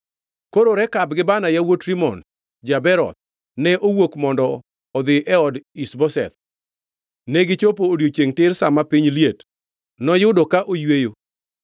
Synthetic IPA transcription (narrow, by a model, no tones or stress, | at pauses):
koɾoɾɛkabɡɪbanajawotɾimɔ̰n | d͡ʒabɛɾɔ̰t̪̚ | nɛʔowokmɔndɔ | ɔd̪ɪʔɛɔdisbɔsɛ̰t̪̚ | nɛɡɪt͡ʃopoːdjot͡ʃeŋtɪɾsamapɪɲljet | nɔjʊdɔkaʔojwejo